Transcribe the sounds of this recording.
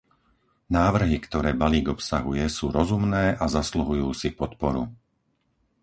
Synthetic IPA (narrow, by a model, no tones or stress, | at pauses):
naːʋr̩ɦikt̪ɔɾɛːbaliːɡɔpsaɦujɛsuːɾɔzumnɛːʔazasluɦujuːsipɔt̪pɔɾu